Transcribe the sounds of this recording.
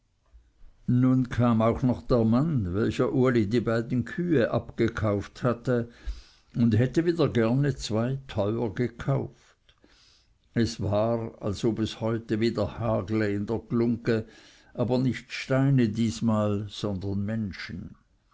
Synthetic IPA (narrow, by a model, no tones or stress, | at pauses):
nunkʰaːmaʊxnɔχd̥eːɐmanvɛlçɐʔuːɐlidiːbaɪdn̩kʰyːəʔapɡ̥əkʰaʊfthatə | ʊndhɛtəviːdɐɡɛɐnət͡sv̥aɪtʰɔʏɐɡəkʰaʊft | ɛsvaːʁa̰lsoːbɛshɔʏtəviːdɐhaːɡləɪndɛːɐklʊŋkə | ʔaːbɐnɪçtʃtaɪnədiːsmaːlz̥ɔndɐnmɛnʃən̩